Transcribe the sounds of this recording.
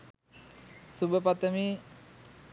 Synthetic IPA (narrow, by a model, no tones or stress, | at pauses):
subəpat̪əmiː